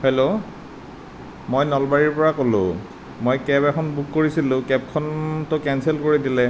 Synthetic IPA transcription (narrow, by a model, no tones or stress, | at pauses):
helo | mojnɔlbaɹiɹpɔɹakolʊ̰̃ | mojkɛpɛkʰɔnbukːoɹisilʊ̃kɛp̚kʰɔntʊkɛnsɛlkoɹidilɛ